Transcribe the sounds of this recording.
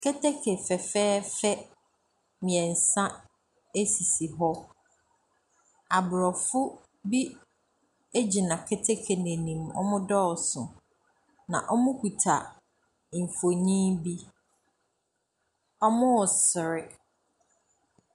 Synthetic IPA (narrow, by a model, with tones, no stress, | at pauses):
kʰɛ˦tʰɛ˦kʰe˨fɛ˨fɛː˦fɛ˦ | mɪ̃˨ɛ̃˨n̩˨sã˦ | e˦si˨si˨ɦɔ˦ | a˨bʊ˨ɾɔ˨fʊ˦ | bi˦ | e˦d͡ʑi˨nã˨kʰɛ˦tʰɛ˦kʰe˨nẽ˨nĩ˨mɔ̰˦mʊ̃˦dɔ˦ɔ˨sʊ̃˨ | nã̰˨ʔɔ˦mʊ̃˦ku˨tʰa˨ | ɱ̩˨fo˨ɲĩ˦bi˦ | ɔ˦mʊ̃˦wɔ˨sɪ˨ɾɪ˦